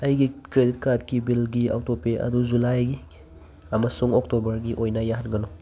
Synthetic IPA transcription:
ɐjɡikɾedit̚kad̚kibilɡia̰w̚topeʔɐ̰duzulajɡi | ɐmɐsuŋok̚tobɐɾɡiʔojnɐjaɦanɡɐnɔ

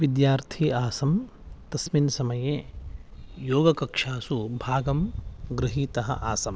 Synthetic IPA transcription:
ʋid̪jaːɾt̪ʰiaːsɐm | t̪ɐsminsɐmɐjeː | joːɡɐkɐkʂaːsubʱaːɡɐmɡɾɪɦiːt̪ɐɦɐ̰ʔaːsɐm

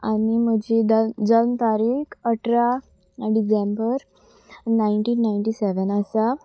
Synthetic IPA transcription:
anim̤əd͡ʑid̪əd͡zənt̪aɾikəʈʰɾa | ɖid͡ʑembəɾ | naiɳʈiːnːajɳʈiseʋənasa

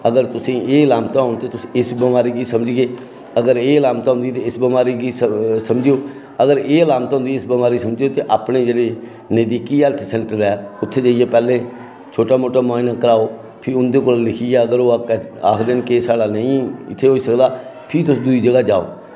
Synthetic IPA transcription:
əɡəɾt̪ʊsĩːeːəlaːmt̪aːɦʊɳt̪eːt̪ʊsiɪsbɪmaːɾiːɡiːsəməd͡ʒɡeː | əɡəɾeːlaːmt̪aːɦʊ̃nd̪iːt̪eːɪsbɪmaːɾiːɡiːssəmd͡ʒjoː | əɡəɾeːəlaːmt̪aːɦʊnd̪iːɪsbɪmaːɾiːsəmd͡ʒoːt̪eːʔaːpɳeːd͡ʒeːɽeː | nəd̪iːkiːɛlt̪ʰsɛ̃ːɳʈəɾɛːʊt̪ʰːeːd͡ʒaːieːpɛːlẽː | t͡ʃʰoːʈaːmoːʈaːmaːinaːkəɾaːoː | pʰɪɾʊnd̪eːkoːllɪkʰijaːəɡəɾoːkːa̰ːkʰd̪ɪnkeːsaːɽaːnəĩːɪ̰t̪ʰːeːɦoːiːsəkd̪aːpʰɪɾt̪ʊsd̪ʊiːd͡ʒəɡaːd͡ʒa̰ːo̰ː

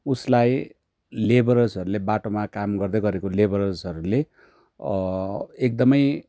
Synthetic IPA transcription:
uslaj | lebʌɾʌsɦʌɾulebaʈomakamɡʌrd̪ʌɡʌɾekolebʌɾʌsʌɾule | ek̚d̪ʌmʌj

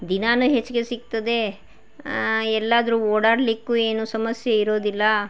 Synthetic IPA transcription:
d̪inaːnuɦet͡ʃːuɡe̞sik̚t̪ɐd̪e̞ | ɛlːaːd̪ɐɾuːoːɽaːɽlikːuːe̞ːnusɐmɐsjeiɾo̞ːd̪ilːɐ

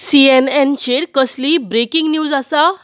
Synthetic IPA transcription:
siɛnɛnt͡ɕeɾkəsliːbɾekiŋɡnjuːd͡zasa

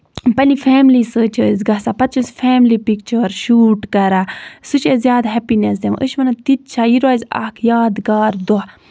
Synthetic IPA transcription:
pɐlifʰeːmlisəːt͡ʃʰəːzʲɡɐsapɐt̪̚t͡ʃʰusfʰeːmlipik̚t͡ʃʰəːɾʃuːʈkɐɾasut͡ʃʰezjaːd̪ɦɛpines̬d̪em̰ʔəʃmɐnɐt̪it̪̚t͡ʃʰajiɾaːza̰ːkʰjaːd̪ɡaːɾd̪o

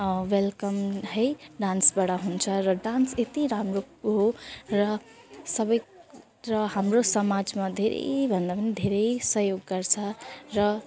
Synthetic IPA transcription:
welkʌmɦʌjɖãnsbaɽaɦunt͡sʰʌɾʌɖanset̪iɾamɾo | ɦoɾʌ | sʌbʌj | ɾʌɦamɾosʌmad͡zmad̪ʱeɾʔḛbʱʌnd̪apʌnid̪ʱeɾejsʌɦjoɡːʌɾt͡sʰʌɾʌ

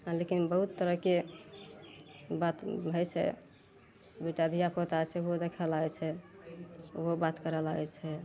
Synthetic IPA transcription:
lekinbəɦut̪ːəɾəɦke | bat̪bʱət͡ʃʰɛ̰ | d̪uʈad̪ʱijapot̪at͡ʃʰɛod̪ekʰəlaɡɛt͡ʃʰɛ | obat̪kəɾəlaɡɛt͡ʃʰɛ

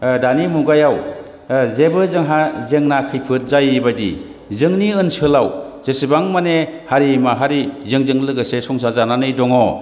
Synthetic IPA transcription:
danimuɡajaw | zebɯzɯŋɦazeŋnakʰɯjpʰɯt̚zajbajdḭ | zɯŋniɯnsɯlaw | z̥esibaŋmanehaɾimaɦaɾizɯŋzɯŋlɯɡɯsesɔŋs̬azananɯjdɔŋɔ

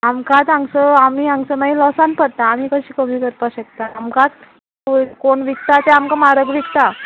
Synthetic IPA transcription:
amkat̪aŋsəamiːãŋsəmailɔsanpəɽt̪aːm̤iːkəɕiːkəmiːkəɾpaɕək̚t̪aamkat̪ | koɳʋikt̪at̪ɛamkamaɾəɡʋikt̪a

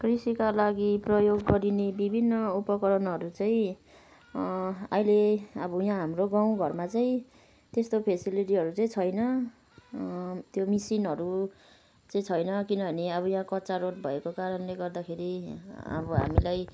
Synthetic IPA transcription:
krisikalaɡiprʌjoɡːʌɾinebibʱinːʌupʌkʌɾʌnɦʌɾut͡sʌĩ | ajleʌbʌjãɦamroɡaw̃ɡʱʌrmat͡saĩ | t̪est̪opʰesiliʈ̬iɦʌɾut͡saĩt͡sʰʌjnʌ | t̪jomisinɦʌɾu | t͡saĩt͡sʰʌjnʌkinʌbʱʌneʌbʌjãkʌtːt͡saɾoʈ̚bʱʌekokaɾʌnleɡʌrd̪akʰeɾiɦa̰bʌɦa̰milaj

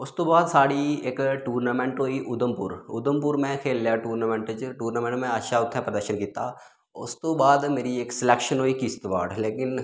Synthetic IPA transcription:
ʊst̪oːbaːd̪saːɽieːkʈuːɾnaːmẽɳʈɦoːiʔʊd̪əmpʊɾʊ̰d̪əmpʊɾmẽkʰeːljaʈuːɾnaːmẽɳʈd͡ʒʈuːɾnaːmẽɳʈmẽəʃʰaʊt̪ʰːẽpɾəd̪əɾʃənkiːt̪aː | ʊst̪oːbaːd̪meːɾieːksɪleːkʃənɦoːikist̪ʋa̰ːɖleːkɪn

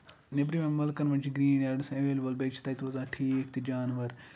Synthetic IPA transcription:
nebɾimẽmɐlkɐnʋɐnt͡ʃʰiɡɾiːnaɖsẽʋeːlʲbɐlbet͡ʃʰi̥t̪ɐːjt̪ʋɐzãːʈʰiːkt̪id͡ʒaːnʋɐɾ

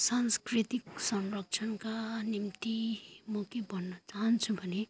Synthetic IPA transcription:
sanskrit̪iksʌmrʌk̚t͡sʰʌnkanimt̪imokibʱʌnːʌt͡saɦʌnt͡sʰubʱʌne

